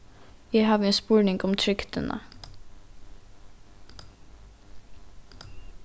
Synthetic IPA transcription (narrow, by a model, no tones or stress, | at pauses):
jæɪhɑːʋeːnspuːɳɪŋɡɔmt̪ʰɾʏkt̪ənʔə̰